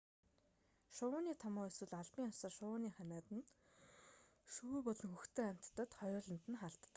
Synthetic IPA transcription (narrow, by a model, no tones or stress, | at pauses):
ʃʊniːt̪ʰamʊːeswɘ̆ɮaɮpiːŋasərʃʊːniːχænʲaːt̪ɘ̆n | ʃupɔɮɞ̆ŋxɵxt̪eːæm̥ʲt̪ːə̆t̪χɔjʊːɮə̆n̥t̪ɘ̆nχaɬt̪ːə̥̆